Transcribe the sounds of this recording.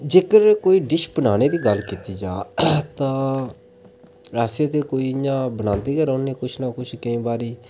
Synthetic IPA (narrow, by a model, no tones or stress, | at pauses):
d͡ʒeːkəɾkoːiːɖɪʃbənaːñeːd̪iːɡəlkiːt̪iːd͡ʒaːt̪ãː | ɾaːsẽːt̪eːkoːiːɪjãːbənãːnd̪iːɡəɾãːneːkʊt͡ʃʰnaːkʊt͡ʃʰkəĩːbaːɾiː